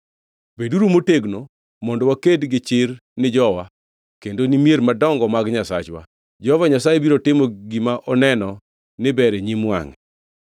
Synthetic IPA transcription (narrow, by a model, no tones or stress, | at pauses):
beduɾumoteɡno | mɔndɔwakedɡɪt͡ʃɪɾnɪd͡ʒɔwa | kendonimjeɾmadɔŋɡɔmaɡɲasa̰t͡ʃwa̰ | d͡ʒɔvaɲasajebiɾotɪmɔɡimaʔɔnɛnɔ | nɪbɛɾeɲimwa̰ŋɛ